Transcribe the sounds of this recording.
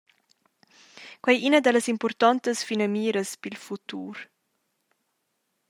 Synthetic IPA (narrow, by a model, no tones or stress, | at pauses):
kwɛjʔinəd̪ɛləsimpɔɾt̪ɔnt̪əsfinɐmiːɾəspilfut̪uːɾ